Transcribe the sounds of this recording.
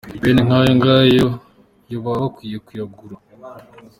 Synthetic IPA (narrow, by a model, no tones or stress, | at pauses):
weneŋ̥aːjoŋɡaːjo | joβaβakwijekujaɡuɾa